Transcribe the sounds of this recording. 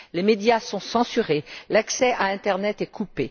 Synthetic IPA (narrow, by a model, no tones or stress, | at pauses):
lemed̪jasɔ̃sɑ̃syʁelaksɛaɛ̃t̪ɛʁnɛt̪ɛkʰupe